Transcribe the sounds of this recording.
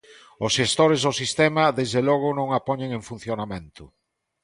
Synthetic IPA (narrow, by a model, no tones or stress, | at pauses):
ʊsʃest̪oɾezðosist̪ɛmɐðezðelɔɣ̞ʊnõŋapɔɲeŋeɱfun̟θjonamẽnt̪ʊ